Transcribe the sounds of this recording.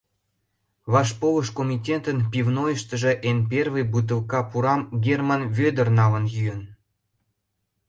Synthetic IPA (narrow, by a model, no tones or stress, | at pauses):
βɑʃpoβəʃkomʲitʲet̪ənpivnojəʃt̪ə̆ʒĕʔenp̬ervɨjbut̪̬ə̆lkɑpuɾɑmɡʲermɑnvød̪ə̆rnɑlə̆njyjən